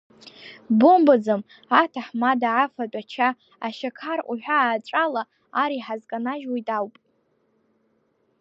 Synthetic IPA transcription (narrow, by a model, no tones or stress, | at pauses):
bombɨd͡zɨm | atʰaħmadaʕafadʷʼat͡ʃʰa | aʃakʰarʔʷʼuħᶣʷaːʈ͡ʂʼalaː | ɾiħazkʼanaʒwijtʼawpʼ